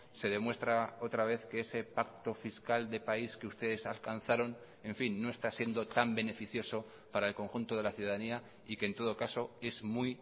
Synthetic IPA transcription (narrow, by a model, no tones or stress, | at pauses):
se̞ðe̞mwe̞st̪ɾao̞t̪ɾaβ̞e̞θkeese̞pak̚t̪o̞fiskald̪e̞paiske̞ust̪e̞ðe̞salkan̟θaɾo̞n | e̞ɱfinːo̞e̞st̪asje̞nd̪o̞t̪ambe̞ne̞fiθjo̞so̞ | paɾae̞lko̞ŋxunt̪o̞ð̞e̞laθjuðaðania | ikent̪o̞ð̞o̞kaso̞e̞zmuj